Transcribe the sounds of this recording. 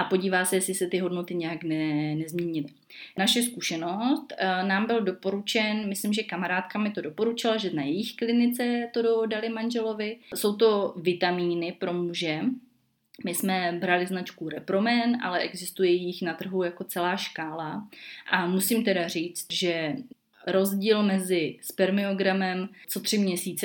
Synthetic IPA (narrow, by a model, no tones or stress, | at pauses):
ʔapo̞ɟiːvaːsɛjɛsɪsɛt̪ɪɦo̞dno̞t̪ɪɲɛjaknɛnɛzmɲɛɲɪlɪ | naʃɛskuʃɛno̞st̪naːmbɪldo̞po̞ɾut͡ʃɛnmɪslɪmʒɛkamaɾaːt̪kamɪt̪o̞do̞po̞ɾut͡ʃɪlaʒɛnajɛjɪxklɪnɪt͡sɛt̪o̞dodalɪmanʒɛlo̞vɪso̞wt̪̬o̞vɪt̪amiːnɪpɾo̞muʒɛ | mɪsmɛbɾalɪznat͡ʃkuɾɛpɾo̞mɛnʔa̰lɛʔɛɡzɪst̪ujɛjjɪxnat̪r̩ɦujako̞t͡sɛlaːʃkaːlaʔamusimt̪ɛdar̝iːt͡st̪ʒɛ | ɾo̞zɟiːlmɛzɪspɛɾmɪoɡɾamɛmt͡so̞t̪r̝̥ɪmɲɛsiːt͡sɛ